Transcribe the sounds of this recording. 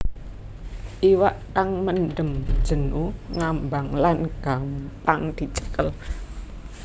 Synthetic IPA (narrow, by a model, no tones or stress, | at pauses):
ʔiwaʔt̪aŋmənɖəmd̥ʒ̥ə̤nuŋambaŋlanɡ̥ampaŋd̪̥i̤t͡ʃə̥kəl